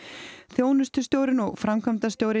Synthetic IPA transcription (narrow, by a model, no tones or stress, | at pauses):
θjoːwnʏst̪ʏst̪jowɾɪnɔɣfɾamkʰamt̪ast̪joːwɾɪ